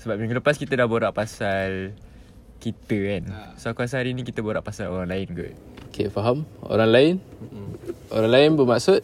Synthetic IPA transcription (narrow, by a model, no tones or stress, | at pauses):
səbap̚mĩŋɡuləpaskit̪ədahboɾaʔpasal | kit̪əansoakuas̬ɦaɾinikit̪əboɾaʔpasalo̰ɾaŋlaɪnɡo̰ʔ | okḛfaɦamo̰ɾaŋlaɪn | o̰ɾaŋlaɪnbəmaksʊt̪̚